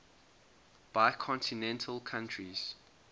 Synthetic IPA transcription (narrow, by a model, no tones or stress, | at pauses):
b̥aɪkʰɔ̃ntʰinɛ̃ntʰəlˠkʰãntʰɹiz̥